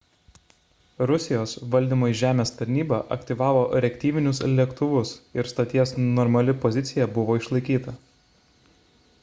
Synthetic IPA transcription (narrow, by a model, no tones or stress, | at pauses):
ɾʊsʲɪjoːsʋɐlʲd̪ʲiːmoːjʒʲæːmʲeːst̪ɐɾʲnʲiːbɐʔɐ̰kʲt̪ʲiʋɑːʋoːʔɾʲɛkʲt̪ʲiːʋʲɪnʲʊslʲɛkt̪ʊʋʊsɪɾst̪ɐt̪ʲiɛsnɔɾmɐlʲɪpɔzʲɪt̪sʲɪjɛbʊʋoːɪʃlˠɐɪkʲiːt̪ɐ